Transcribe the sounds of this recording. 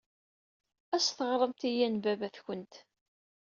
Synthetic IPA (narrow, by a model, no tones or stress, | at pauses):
æsθəʁɾˤəmt̪ijænbævæθçənt̪